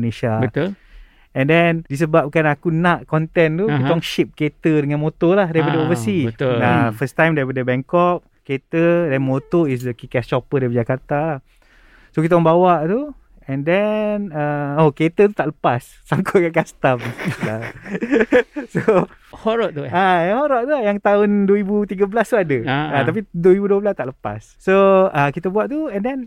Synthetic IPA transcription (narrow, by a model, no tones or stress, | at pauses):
neʃabət̪ul | ɛ̃ndɛndis̬əbap̚kanakunaʔkɔnt̪ɛnt̪ukit̪aɔŋʃip̚ket̪ədəŋanmot̪olahdaipadəovəsit̪lafəst̪ãjmdapədəbɛŋkɔp̚ | ket̪ədɛnmot̪ois̬dəkikɛst͡ʃɔpədaipəd͡ʒakart̪a | sokit̪ɔŋbawaʔt̪u | ɛ̃ndɛnəoket̪ət̪ut̪aʔləpasːaŋkʰɔʔkaʔkast̪amla | so | hoɾɔʔt̪uaahoɾɔʔ̚t̪uajaŋt̪aʊndwəibut̪iɡəbəlast̪uadəat̪ap̬idwəibuduəbəlast̪aʔləpa̰sːoakit̪əbuaʔt̪uɛndɛn